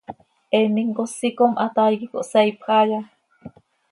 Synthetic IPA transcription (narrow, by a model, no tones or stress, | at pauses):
ʔeniŋkosikomʔat̪ajkiko̰ʔseipxaja